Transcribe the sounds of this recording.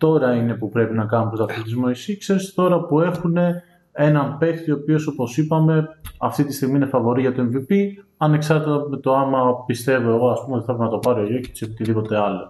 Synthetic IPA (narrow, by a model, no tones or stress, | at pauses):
t̪o̞ɾɐine̞pupɾe̞pinɐkɐnumpɾost̪ɐft̪ist̪izmo̞isiksest̪o̞ɾɐpue̞xune̞ | e̞nɐmpe̞xt̪io̞pio̞so̞po̞sipɐme̞ɐft̪it̪ist̪iɣmiine̞fɐvo̞ɾiʝɐt̪oe̞ɱvipi | ɐne̞ksɐɾt̪it̪ɐme̞t̪o̞ɐmɐpist̪e̞vo̞e̞ɣo̞ɐspumeo̞t̪iθɐpɾnɐt̪o̞pɐɾoʝociseot̪iðipo̞t̪e̞ɐlo̞